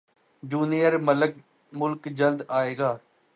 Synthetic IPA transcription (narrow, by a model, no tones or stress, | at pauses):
d͡ʒuːnijəɾmələk | mʊlkd͡ʒəld̪aːeːɡaː